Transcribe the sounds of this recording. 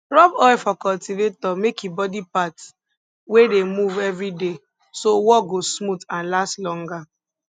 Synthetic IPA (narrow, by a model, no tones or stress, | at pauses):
ɹɔbɔɪfɔkɔltivetɔmekibɔdipats | wedemuvɛvɹide | sowɔɡosmutãnlastlɔ̃ŋɡa